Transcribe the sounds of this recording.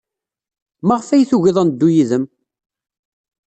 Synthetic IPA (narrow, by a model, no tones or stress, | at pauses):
maʁfæjθuʝɪðˤənd̪ːujiðəm